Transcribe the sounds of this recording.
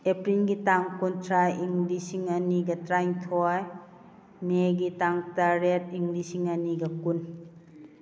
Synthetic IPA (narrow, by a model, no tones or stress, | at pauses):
epɾilɡitaŋkuntʰɾaiŋlisiŋɐniɡɐtɾajŋtʰɔj | meɡitaŋtaɾet̚iŋɡlisiŋɐniɡɐkun